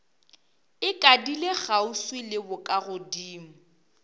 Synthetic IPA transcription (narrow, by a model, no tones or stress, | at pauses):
ɪkʼadileɣauswɪlɪbʊkʼaɣʊdiːm̩